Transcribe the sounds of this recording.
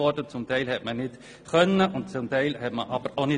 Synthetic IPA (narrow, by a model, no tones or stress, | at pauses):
ɔɾdət͡sʊmtʰɛɪlhɛtmənɪt | χœnːəʔʊntt͡sʊmtæɪlhɛtməʔɑb̥əɾonɪ